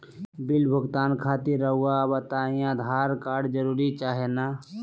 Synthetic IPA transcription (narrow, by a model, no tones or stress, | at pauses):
bɪlbʱəɡt̪aːnkʰaːt̪iɾəɦuabət̪aːĩjãd̪ʱaːɾkaːɖd͡ʒəɾuːɾit͡ʃaːɦena